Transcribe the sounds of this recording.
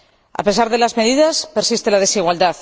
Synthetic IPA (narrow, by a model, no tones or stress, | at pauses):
a̰pe̞saɾðe̞lazmeðiðaspeɾsist̪elaðe̞siɣwald̪aθ